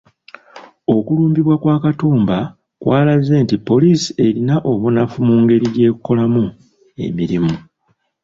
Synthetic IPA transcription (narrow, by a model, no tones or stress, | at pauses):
o̞kuluːmbiβwakwaːkatuːmba | kwʔaːlaze̞ːntipːo̞liːsi̥e̞ɾinaʔo̞βunafumuːŋɡe̞ɾije̞ːkukːo̞lamu | e̞̰miɾimu